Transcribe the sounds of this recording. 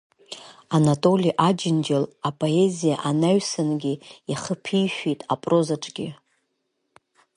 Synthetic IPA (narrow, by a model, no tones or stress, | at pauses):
anatʼo̞liʔad͡ʒɪnd͡ʒelapʼoe̞zijaʔanaɥsanɡʲiiχəpʰijʃʷᶣejtʼapʼrozaʈ͡ʂʼɡ̥ʲɪ